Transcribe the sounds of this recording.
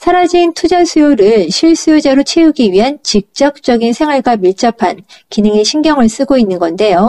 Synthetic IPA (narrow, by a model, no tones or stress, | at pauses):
sʰaɾad͡ʑiːntʰud͡ʑasʰujoɾɯɭɕʰiɭs͈ujod͡ʑaɾot͡ɕʰeuɡiɥiɦant͡ɕik̚t͡ɕ͈ʌk̚t͡ɕ͈ʌɡinsʰe̞ŋwaɭɡwamiɭt͡ɕ͈ʌpʰankinɯŋeɕʰiŋɡjʌŋɯɭs͈ɯɡoinːɯnɡʌnde̞jo